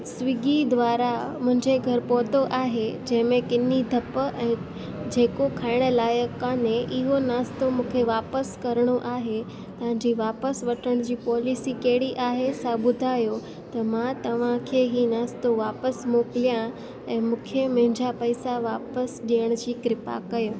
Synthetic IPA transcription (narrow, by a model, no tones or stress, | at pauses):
sʋɪɡid̪ʋaːɾamʊ̃ɦɪ̃ɲd͡ʑeɡʱɐɾpɔːt̪oʔaːɦed͡ʑɐ̃ɦɪ̃mẽkɪnid̪ʱɐpɛ̃ː | d͡ʑeːkokʰaːɪɽ̃əlaːjəkːaneʔɪɦonaːst̪omũːkʰeʋaːpəskɐɾɽ̃oʔaːɦe | ɐʋ̤ãɲd͡ʑiːʋaːpəsʋɐʈʰəɽ̃d͡ʑiːpɔːlisikeːɽiʔaːɦesabʊd̪ʱaːjo | t̪ɐmãt̪ɐʋ̤ãkʰeɦinaːst̪oʋaːpəsmoːkɪlijã | ɛ̃ːmũːkʰemɐ̃ɦɪ̃ɲd͡ʑapɐɪsaʋaːpəsɗijəɽ̃d͡ʑiːkɾɪpa̰kɐjo